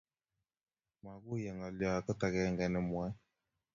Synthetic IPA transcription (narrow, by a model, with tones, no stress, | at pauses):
ma˨ɣu˦jɛ˨ŋɔ˨ljɔ˨a˨kɔ˦ta˨ɣɛ˦ŋɡɛ˨nɛ˨mwɛ˦